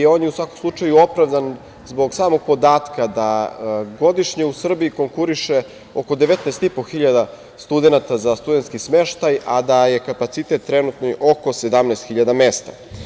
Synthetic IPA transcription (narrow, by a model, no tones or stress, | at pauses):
eo̞ːnjeusʋakomslˠut͡ʂajuo̞pɾavd̪an | zbo̞ɡsaːmo̞ɡ̚po̞d̪aːt̪kad̪aɡo̞d̪iʃɲeusr̩biiko̞ŋkuɾiʃe | oko̞d̪eʋet̪nɛːst̪ipo̞xiʎad̪a | st̪ud̪enat̪azast̪ud̪ent̪skismeʃt̪ajad̪aje̞kapat̪sit̪e̞t̪ːɾenut̪noiʔo̞ko̞se̞d̪amnɛːst̪xiʎad̪amest̪a